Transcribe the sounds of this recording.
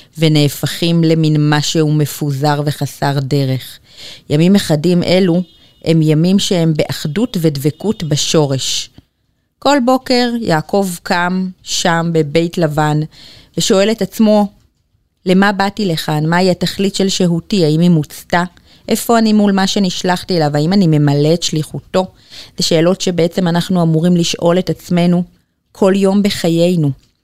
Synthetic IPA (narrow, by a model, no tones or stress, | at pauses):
ve̞ne̞ːfaχimle̞minmaʃehume̞fuzaʁve̞χasaʁde̞ʁe̞χ | jamimeχadimʔe̞lu | ʔe̞mjamimʃe̞e̞mbeʔaχdutve̞dvekutbaʃo̞ʁe̞ʃ | ko̞lbo̞ke̞ʁjaːkʰo̞vkʰamʃambe̞be̞jtlavanveʃo̞e̞letat͡smo̞ | le̞mabatile̞χanmaiataχlitʃe̞lʃeɦutiaimimut͡sta | ʔe̞fo̞animulmaʃe̞niʃlaχtielavaimanime̞male̞tʃliχuto̞ | zeʃe̞ːlo̞tʃe̞beet͡semanaχnuamuʁimliʃʔo̞le̞tat͡sme̞nu | kʰo̞ljo̞mbe̞χaje̞jnu